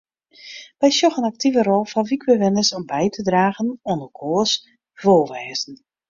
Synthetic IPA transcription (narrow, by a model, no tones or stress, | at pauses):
bɛjsjɔxənak̚tivəɾɔlˠfɔʋikwəʋɪnəsɔmbɛjtʰədraːɣənonəkʰoːəs | v̥oːʋɛːzən̩